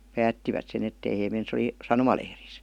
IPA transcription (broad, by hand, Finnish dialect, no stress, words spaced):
pæːtːiʋæt sen etːei heː men se ə̆li sɑnomɑlehris